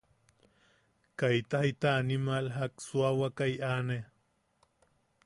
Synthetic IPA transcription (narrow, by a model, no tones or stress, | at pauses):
kajt̪ahit̪aːnimalɦaksuawakajʔane